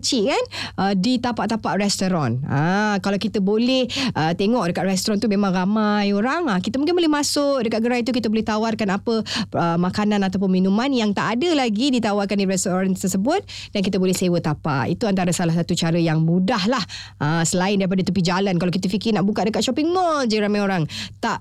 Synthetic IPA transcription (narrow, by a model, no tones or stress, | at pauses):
t͡ʃiʔkanʔədit̪apaʔt̪apaʔrɛst̪oɾɔna̰kalawkit̪əbolɛhət̪eŋɔʔdəkat̪rɛst̪oɾɔnt̪umemãŋramajoɾaŋakit̪əmuŋk̬ɪnmbolɛhmasʊʔ̚dəkat̪̚ɡəɾait̪̬uk̬it̪əbolɛht̪awarkanapəəmakanãnat̪awp̬ʊnminumanjaŋt̪aʔːdəlaɡidit̪awarkandiɾɛst̪oɾant̪ərsəbʊt̪̚ | dankit̪əbolɛhsewət̪apa̰ʔḭt̪uant̪aɾasalahsat̪ut͡ʃaɾəjaŋmudahlahʔəsəlaɪndaɾip̬adat̪upid͡ʒalankalawkit̪əfikɪnaʔbukat̪ʔ̚dəkat̪̚ʃɔpiŋːɔld͡ʒadiɾamajoɾaŋt̪aʔ